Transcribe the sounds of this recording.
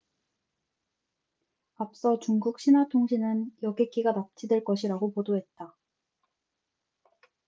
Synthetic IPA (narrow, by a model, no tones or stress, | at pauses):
ap̚s͈ʌt͡ɕuŋɡuk̚ɕ͈ʰinɦwatʰoŋɕʰinɯnjʌɡek͈iɡanap̚t͡ɕ͈ʰidwe̞ɭk͈ʌɕʰiɾaɡopodoɦe̞t̚t͈a